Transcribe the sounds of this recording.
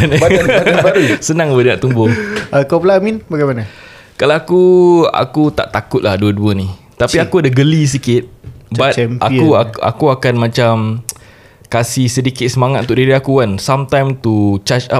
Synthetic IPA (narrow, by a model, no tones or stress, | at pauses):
n | sənãŋbədəŋaʔt̪umbʊəkapəlaminbaɡajmana | kalaakua̰kut̪a̰ʔt̪akʊt̪̚lahduəduəni | t̪apiakuadaɡəlis̬ikɪt̪̚bat̪aikuaa̰kuakanmãt͡ʃam | kasihsədikɪt̪̚səmaŋat̪̚ʔunt̪ʊʔdiɾiakuansamt̪ãjmt̪ut͡ʃat͡ʃa